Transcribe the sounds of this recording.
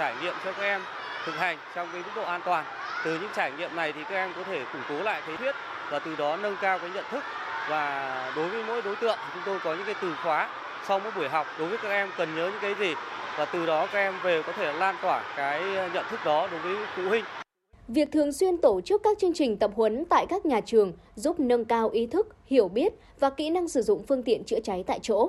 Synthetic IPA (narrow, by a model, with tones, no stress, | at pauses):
t͡ɕaː˧˩jŋḭ˧˨əmt͡ɕɔ˧kaː˥k̚ʔɛ˧m | t̪ʰɨ˨˩k̚ha˨˩jŋ̟t͡ɕɔ˧wŋ͡mkaː˨˦jmɨ˦˥k̚ɗo̰˧˨ʔaː˧nt̪waː˨˩n | t̪ɨ˨˩ɲɨ̰˧˥ŋt͡ɕaː˧˩jŋḭ˧˨əmna˨˩jt̪ʰi˨˩kaː˦˥k̚ɛ˧mkɔ˨˦t̪ʰe˧˩kʊ̰˧˩ŋ͡mko˨˦la̰ː˧˨jt̪ʰə˨˦jt̪wi˦˥ət̚ | vaː˨˩t̪ɨ˨˩ɗɔ˨˦nə˧nkaː˧wkaː˨˦ɲə̰˧˨nt̪ʰɨ˦˥k̚ | vaː˨˩ɗo˨˦jvəː˨˦jmo̰˧˥jɗo˨˦jt̪ɨ̰˧˨əŋt̪ʰi˨˩t͡ɕʊ˨˦ŋ͡mt̪o˧jkɔ˨˦ɲɨ̰˧˥ŋkaː˨˦jt̪ɨ˨˩xwaː˨˦ | sa˧wŋ͡mmo̰˧˥jɓu˧˩əjɦa˨˩wk͡p̚ɗo˨˦jvəː˨˦jkaː˦˥k̚ʔɛ˧mkə˨˩nɲəː˨˦ɲɨ̰˧˥ŋkaː˨˦jzi˨˩ | vaː˨˩t̪ɨ˨˩ɗɔ˨˦kaː˦˥k̚ʔɛ˧mve˨˩wkɔ˨˦t̪ʰe˧˩laː˧nt̪waː˧˩kaː˨˦jɲə̰˧˨nt̪ʰɨ˦˥k̚ɗɔ˨˦ɗo˨˦jvəː˨˦jfṵ˧˨hï˧ŋ̟ | vi˨˩ək̚t̪ʰɨ˨˩əŋswi˧ənt̪o˧˩t͡ɕɨ˦˥əkːaː˦˥k̚t͡ɕɨ˧əŋt͡ɕï˨˩ŋ̟t̪ə˨˩p̚hwə˨˦nt̪a̰ː˧˨jkaː˦˥k̚ɲaː˨˩t͡ɕɨ˨˩əŋ | zu˦˥p̚nə˧nkaː˧wʔi˨˦t̪ʰɨ˦˥k̚hi˧˩əwɓi˦˥ət̚ | vaː˨˩kḭ˧˥na˧ŋsɨ˧˩zʊ̰˧˨ŋ͡mfɨ˧əŋt̪ḭ˧˨ənt͡ɕɨ̰˧˥t͡ɕa˨˦jt̪a̰ː˧˨jt͡ɕo̰˧˥